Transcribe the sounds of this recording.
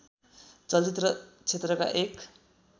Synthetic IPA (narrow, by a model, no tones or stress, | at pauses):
t͡sʌlt͡sit̪ɾʌt͡sʰet̪rʌka̰ʔek